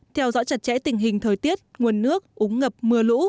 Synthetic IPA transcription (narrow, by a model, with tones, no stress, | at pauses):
t̪ʰɛ˧wzɔ̰˧˥t͡ɕə˨˩t̚t͡ɕɛ̰˧˥t̪ï˨˩ŋ̟ɦï˨˩ŋ̟t̪ʰəː˨˩jt̪i˦˥ət̚ŋu˨˩ənːɨ˦˥ək̚ʔu˨˦ŋŋə˨˩p̚mɨ˨˩əlṵ˧˥